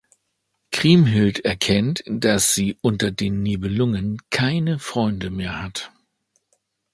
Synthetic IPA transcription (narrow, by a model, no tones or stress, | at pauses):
kʁ̥iːmɦɪltɛɐkʰɛntd̥asz̥iːʔʊntɐdeːnːiːbəlʊŋənkʰaɪnəfʁ̥ɔʏndəmeːɐhat